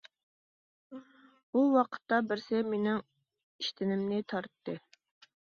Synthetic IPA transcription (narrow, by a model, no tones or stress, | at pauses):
buwɑqʰə̥t̪ːɑbɪɾsɪmenɪŋ | iʃt̪ʰɪnɪmnɪt̪ʰɑɾt̪ːɨ